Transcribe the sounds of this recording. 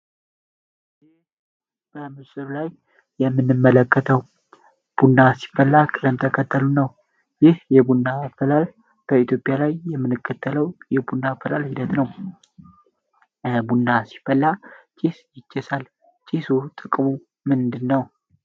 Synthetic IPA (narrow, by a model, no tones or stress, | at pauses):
jɪh | b̥əmɨsʼɨɾlajː | ɛmːɨnːɨmːələkːət̪ʰəw | b̥unːasi̥fːəlːakʼɨləmt̪ʰəkʰət̪ʰːəlunəw | jɪhjɛbunːafəlal | b̥əit̪ʰjo̞pʼjalajːɛmːɨnɨkʰːət̪ʰːələwjɛbunːafəlalhid̪ət̪nəw | bunːasi̥fəlːat͡ʃʼisjɪt͡ʃːɛsal | t͡ʃʼisut̪ʼɨkʼmu | mɨnd̪ɨnːəw